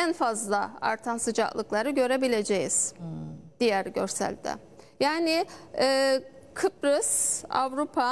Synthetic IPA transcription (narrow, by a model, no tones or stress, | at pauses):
ænfazlˠaa̰ɾt̪ʰansɯd͡ʒa̰klˠɯklˠaɾɯɟø̞ɾe̞bilʲe̞d͡ʒejiz̥ | d̪̥ijæɾɟø̞ɾsæ̰lʲd̪ɛ̰ | jaːnɪɛːkʰɯpɾɯsa̰vɾupʰa